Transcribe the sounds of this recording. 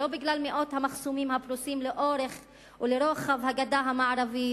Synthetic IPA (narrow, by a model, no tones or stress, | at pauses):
lobiɡlalmeʔo̞t̪hamaχsumimhaplusimleʔo̞ɾe̞χ | ʔuleɾo̞χavhaɡadaɦamaʕaɾavi